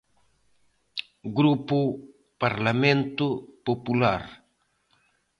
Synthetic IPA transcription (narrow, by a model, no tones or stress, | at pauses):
ɡɾupʊ | paɾlamẽnt̪ʊpopulaɾ